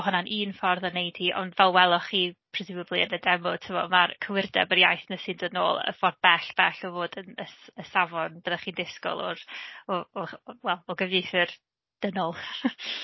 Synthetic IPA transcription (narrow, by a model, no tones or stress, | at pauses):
ɦʊnanʔiːnfɔrðɔnejd̥hiʔɔ̰ndvɛlˠwɛlˠɔχiːpʰrɛsɪbəblˠiənədɛmʊtʰəmɔ̰markʰəwɪrdɛ̰bəɾjajθnəsɨndono̰ːlˠə̰fɔrb̥ɛɬb̥ɛɬɔvoːdənəsəsavɔnb̥əðaχiːndɪskɔ̰lˠɔ̰ɾɔɔwɛlˠɔɡəvjefər | d̥ənɔlˠ